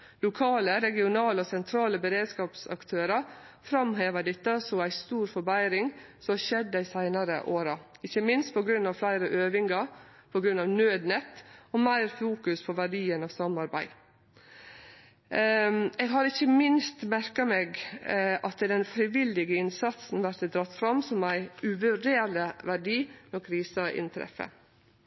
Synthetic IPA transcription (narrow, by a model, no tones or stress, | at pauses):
lʊkʰɑːləɾɛɡɪʊnɑːləɔsɛnt̪ʰɾɑːləbəɾeːd̪skɑːpsɑ̰kt̪ʰøːɾɑfɾɑmɦeːʋəd̪ɪt̪ːəsɔæɪst̪uːɾfɔɾbæɪɾɪŋsɔʃɛd̪ːəɪsæɪnɑɾə̰ʔoːɾɑɪçːəmɪnst̪̚pʰɔɡɾʉnːɑʋflæɪɾəʔøːʋɪŋɑpʰɔɡɾʉnːɑʋnøːd̪nɛt̪ːɔmæɪɾfuːkʉspʰɔʋæɖiːənɑʋsɑmːɑɾbæ̰ɪ | eːɡɦɑɾɪçːəmɪnst̪mæɾkɑmeːɡʔɑt̪d̪ɛnfɾɪʋɪlɪɡəɪnsɑt̪sn̩ʋæɾt̪d̪ɾɑt̪ːfɾɑmsɔmæɪʉʋʉɖeːləʋæɖiːnɔkʰɾiːsəʔɪ̰nt̪ʰɾɛ̰fə̰